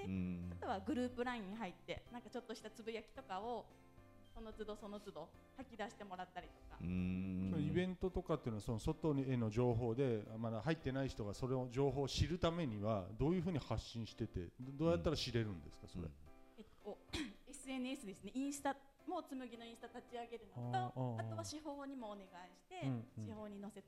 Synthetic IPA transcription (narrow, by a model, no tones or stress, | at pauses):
eat̪o̞βaɡɯ̟ɾɯ̟ːpɯ̟ɾãĩɲ̟ːiɦait̪ːe̞nãŋkat͡ɕo̞t̪ːo̞ɕi̥t̪at͡sɨbɯ̟jakʲi̥t̪o̞kao̞ | so̞no̞t͡sɨd̪o̞so̞no̞t͡sɨd̪o̞ | hakʲid̪aɕi̥t̪e̞mo̞ɾat̪ːaɾʲit̪o̞̥ka̰sonoibẽ̞nt̪ot̪o̞kat̪ːeiɯnoaso̞noso̞t̪o̞ɲieno̞ʑo̞ːɦo̞ːd̪e̞mad̪ahait̪ːe̞naiçi̥t̪o̞ɡaso̞ɾeoʑo̞ːɦo̞ːɕiɾɯ̟t̪ame̞ɲ̟iβad̪o̞ːjɯ̟ːɸɯ̟ːɲ̟ihaɕːĩɰ̃ɕi̥t̪e̞t̪e̞̰d̪oːjat̪ːaɾaɕiɾe̞ɾɯ̟̃nd̪e̞̰sɨ̥kaso̞̰ɾḛet̪ːoe̞sɨe̞nɯesɨd̪e̞sɨne̞ĩɰ̃sɨ̥t̪a | mo̞t͡sɨmɯ̟ɡʲino̞ĩsɨ̥t̪at̪at͡ɕiaɡe̞ɾɯ̟nooaoaɕiɦo̞ːɲ̟imo̞ːne̞ɡaiɕi̥t̪e̞ɯ̟̃ɕiho̞ːɲ̟ino̞se̞t̪